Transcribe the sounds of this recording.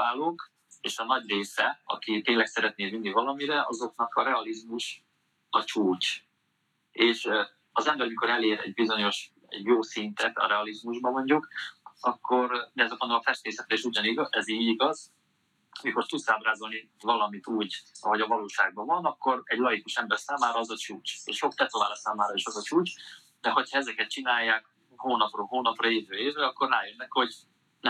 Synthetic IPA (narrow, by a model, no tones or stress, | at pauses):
aːloːk | eːʃɒnɒɟreːsɛɒ̰kit̪eːɲlɛksɛɾɛt̪neːvinːivɒlɒmiɾɛʔɒ̰zo̞kn̪ɒkɒɾɛɒlizmuʃ | ɒt͡ʃuːɟ | eːʃ | ɒzɛmbɛɾmiko̞ɾɛleːɾɛ̰ɟ̚bizo̞ɲo̞ʃ | ɛ̰ɟjoːsint̪ɛt̪ɒ̰ɾɛɒlizmuʒbɒmo̞ɲɟukɒkːo̞ɾd̪ɛɛzɒkɒnːokːɒfɛʃt̪eːsɛt̪eːʃuɟɒniɡɒɛziːɟiɡɒz̥ | ɒmiko̞rt̪ut̪saːbraːzo̞lni | vɒlɒmit̪uːɟɦo̞ɟɒvɒloːʃa̰ːɡ̚bɒvɒnɒkːo̞rɛɟlɒjikuʃɛmbɛrsaːmaːɾɒɒzɒt͡ʃuːt͡ʃeʃo̞kt̪ɛt̪sova̰ːlɒsaːmaːɾɒeːʃɒzɒt͡ʃuːt͡ʃ | d̪ɛho̞cʰhɒɛzɛkɛt̪̚t͡ʃinaːjːaːk | hoːnɒproːɦoːnɒprɒeːvøːeːvrɛɒkːo̞rraːjønːɛkho̞ɟ | nɛ